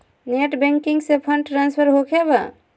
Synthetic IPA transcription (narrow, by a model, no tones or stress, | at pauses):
neʈbẽŋkiŋɡsepʰəɳɖʈɾanspʰəɾɦokʰebə̰